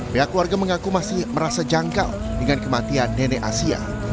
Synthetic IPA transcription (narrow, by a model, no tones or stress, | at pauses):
peɦakːluwarɡaməŋakumasɪhməɾasad͡ʒaŋka̰l | dəŋankəmat̪ianːeneʔasia̰